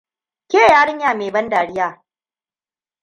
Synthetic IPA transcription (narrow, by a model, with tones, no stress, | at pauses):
kʲeː˦˨jaː˦ɽɪ˦ɲjaː˨meː˨bɐ˦ndaː˨ɽɪ˦jaː˦˨